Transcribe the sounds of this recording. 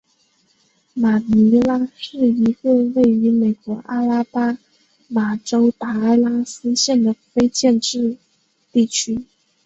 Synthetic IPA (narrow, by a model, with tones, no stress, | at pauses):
ma˨˩ni˧˥la˥ʂɻ̩˥˩i˧˥kɤ˥˧we˥˩ɪy˧˥me˨˩ɪkwɔ˧˥ʔa˥la˥pa˥ | ma˨˩ʈ͡ʂo˥ʊt̪a˧˥a˥˩ɪla˥sɹ̩˥ɕjɛ˥˩nd̪ə˩fe˥ɪt͡ɕjɛ˥˧nʈ͡ʂɻ̩˥˧ | t̪i˥˩t͡ɕʰy˥